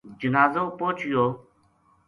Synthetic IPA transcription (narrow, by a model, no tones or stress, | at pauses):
d͡ʒənaːzoːpoːt͡ʃjoː